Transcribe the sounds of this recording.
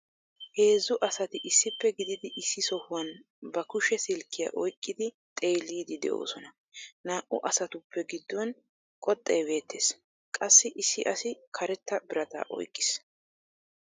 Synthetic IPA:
he̞ːzːʊʔɐsɐt̪ɪʔɪsːɪpːɛɡɪd̪ɪd̪ɪʔɪsːɪsɔhʊwɐn | bɐkʊʃɛsɪlkːɪjɐ̰ʔɔjkʼːɪd̪ɪ | t̪ʼe̞ːlːiːd̪ɪd̪ɛ̰ʔo̰ːsɔnɐ | naːʔʊʔɐsɐt̪ʊpːɛɡɪd̪ːɔn | kʼɔt̪ʼːejbe̞ːt̪ːeːs | kʼɐsːɪʔɪsːɪʔɐsɪkʰɐɾɛt̪ːɐbɪɾɐt̪a̰ːʔɔ̰jkʼːɪ̥s

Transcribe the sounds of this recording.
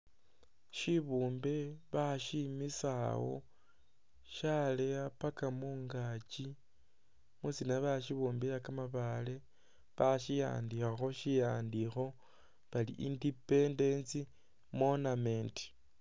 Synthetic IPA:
ʃiβuːmbe̞βaʃimisawo̞̰ | ʃaleapakamuːŋɡat͡ʃi | musinaβaʃiβuːmbejakamaβale̞ | βaʃija̰ːndixaxo̞ʃijaːndixo̞ | βalḭʔindipe̞ndensi | mo̞namenti̥

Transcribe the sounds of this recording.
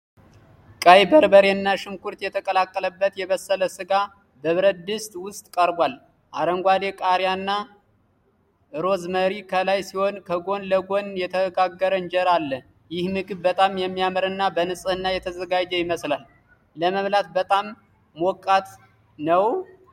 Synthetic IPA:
kʼajbəɾbəɾenːaʃɨmkʰuɾt̪jɛt̪ʰəkʼəlakʼːələbːət̪jɛβəsːələsɨɡa | bəβɨɾəd̪ɨst̪ʼwʊst̪ʼkʼəɾbʷal | ʔaɾəŋɡʷad̪e̞kʼaɾjanːa | ʔɨɾo̞zməɾikʰəlajsiho̞nkʰəɡo̞nləɡo̞njɛt̪ʰəɡaɡːəɾəɨnd͡ʒɛɾalːə | jɪhmɨɡɨβːət̪ʼamjɛmːijaməɾɨnːabənɨsʼɨhɨnːajɛt̪ʰəzəɡad͡ʒɛjɪməslal | ləməmlat̪̚bət̪ʼamː | wokʼat̪ | nəw

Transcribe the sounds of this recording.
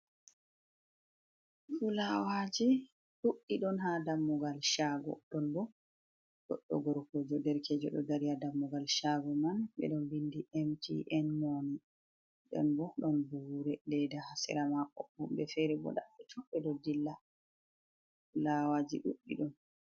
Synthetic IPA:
fulawad͡ʒi | ɗuɗːiɗɔnhadamːuɡalʃaɡɔ̰ɗɔnbɔ | ɗɔ̰ɗːɔ̰ɡɔɾkod͡ʒɔdɛɾkɛd͡ʒɔ̰ɗɔ̰daɾijadamːuɡalʃaɡɔmanɓɛ̰ɗɔnbindiʔɛmtʰḭʔɛnmoni | ɗɔ̰nbɔɗɔnbuɾɛlɛdahasɛ̰ɾamaʔɔbumbɛfɛɾɛbɔ̰ɗaɓɛtʰɔbɛɗɔdilːa | ulawad͡ʒḭɗṵɗːḭɗɔn

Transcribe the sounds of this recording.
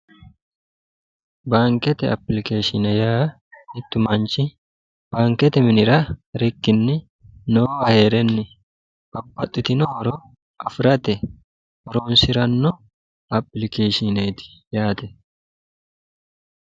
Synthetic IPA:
baːŋkɛt̪ɛɐ̰pːlɪkeːʃɪnɛjaː | ɪt̪ːʊmɐnt͡ʃɪ | b̥aːŋkɛt̪ɛmɪnɪɾɐɾɪkːɪnːɪ | noːɐheːɾɛnːɪ | bɐbːɐt̪ʼːɪt̪ɪnɔhɔɾo | ʔɐfɾɐt̪ɛ | hɔɾoːnsɪɾɐnːɔ | ɐpːɪlɪkeːʃɪneːt̪ɪ̥jaːt̪ɛ

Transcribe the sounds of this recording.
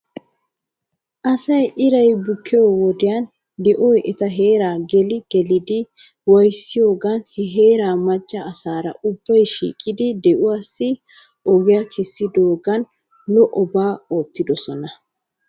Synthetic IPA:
ʔɐsɐjʔɪɾɐjbʊkːɪjoːwɔd̪ɪjɐn | d̪ɛʔɔjʔɛt̪ɐɦe̞ːɾaːɡɛlɪɡ̥ɛlɪd̪ɪ | wɐjsːɪjo̞ːɡɐnhɛɦe̞ːɾaːmɐt͡ʃʼːɐːsaːɾɐ̰ʔʊbːɐjʃḭːkʼɪd̪ɪd̪ɛʔʊwaːsːɪ | ʔɔɡɪjɐkʰɛsːɪd̪o̞ːɡɐn | lɔʔɔbaːo̞ːt̪ːɪd̪ɔsɔnɐ

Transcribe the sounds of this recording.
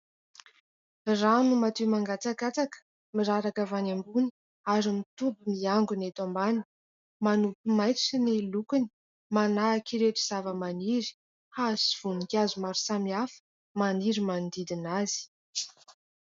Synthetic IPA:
ranumat̪emaŋɡat͡sakat͡sakə̥ | miɾaɾakavanambuni | aɾimit̪ubumiaŋɡunet̪ambani | manupimajt͡ssinilukuni̥ | manaːkiɾeʈ͡ʂiz̥avəmaniɾi̥ | hasiv̥unikʲazumaɾusamiafə̥ | maniɾimand̪id̪inaz̥i̥

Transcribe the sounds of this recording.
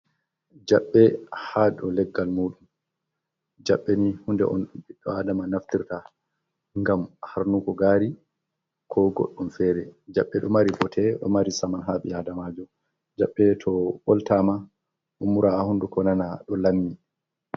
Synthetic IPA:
d͡ʒaɓːɛhaɗɔlɛɡːalmuɗum | d͡ʒaɓːenihundɛ̰ʔɔnbiɗːɔadamanaftiɾta | ŋɡamhaɾnukɔɡaɾi | kʰɔɡɔ̰ɗːumfɛːɾɛd͡ʒaɓːɛɗɔmaɾibɔtʰɛɗɔ̰maɾisamanɦaɓiadamad͡ʒɔ | d͡ʒaɓːɛtʰɔɓɔltama | ʔumːuɾaahundukɔnanaɗɔlamːi

